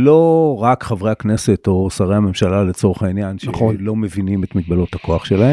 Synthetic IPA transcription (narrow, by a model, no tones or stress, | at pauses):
lo̞ʁakχavʁe̞akne̞se̞to̞saʁehame̞mʃalalet͡so̞ʁeχainjanʃlo̞mevinimet̪miɡ̚balotako̞aχʃelahe